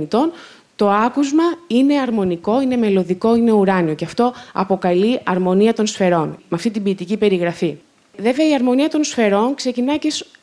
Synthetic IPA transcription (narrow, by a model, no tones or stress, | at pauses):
it̪o̞n | t̪o̞ɐkuzmɐine̞ɐɾmo̞niko̞ine̞me̞lo̞ðiko̞ine̞uɾɐnio̞ceɐft̪o̞ɐ̰po̞kɐliʔɐɾmo̞niɐt̪o̞nsfe̞ɾo̞nmɐft̪it̪ibiːt̪icipe̞ɾiɣɾɐfi | ve̞veɐiɐɾmo̞niɐt̪o̞nsfe̞ɾo̞nkse̞cinɐces